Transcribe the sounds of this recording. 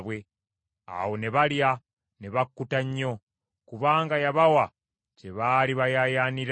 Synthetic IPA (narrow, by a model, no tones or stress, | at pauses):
βwe̞ | a̰wo̞ne̞βalja | ne̞βakːutaɲːo̞ | kuβaːŋɡajaβawa | ce̞βaːliβajajaːniɾ